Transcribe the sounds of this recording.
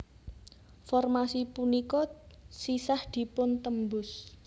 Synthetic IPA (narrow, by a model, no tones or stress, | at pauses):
fɔrmasipunikɔsisahd̪̥i̤pʊnt̪əmbʊs